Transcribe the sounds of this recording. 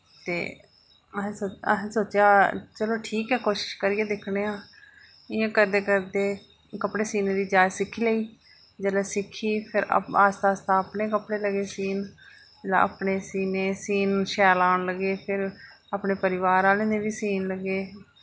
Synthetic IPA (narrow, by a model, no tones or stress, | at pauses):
t̪ḛː | əɦoːə̰ɦsoːt͡ʃaːt͡ʃəloːʈʰiːkɛːkoːʃɪ̥ʃkəɾiːeːd̪ɪkʰɽeːãː | ɪjãːkəɾd̪eːkəɾd̪eː | kəpɽeːsiːneːd̪iːd͡ʒaːd͡ʒsɪkʰːiːleːiː | d͡ʒəlɛːsɪkʰːiːpʰɪɾ̰aːst̪aːst̪ãːəpɳeːk̬əpɽeːləɡeːsiːn | d͡ʒəla̰ə̰pɳeːsiːneːsiːnʃɛːlaːɳləɡeːpʰɪɾ | aːpɳeːpəɾɪʋaːɾaːlẽːnẽːʋiːsiːnləɡeː